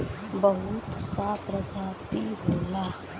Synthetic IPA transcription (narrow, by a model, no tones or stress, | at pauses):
bəɦʊt̪sapɾəd͡ʒaːt̪iɦoːla